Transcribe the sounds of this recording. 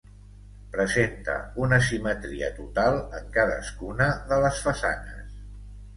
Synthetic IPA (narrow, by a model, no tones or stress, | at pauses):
pɾəzent̪ə̰unəsimət̪ɾiə̰t̪ut̪alˠəŋkaðə̰skunəðələsfəsanə̰s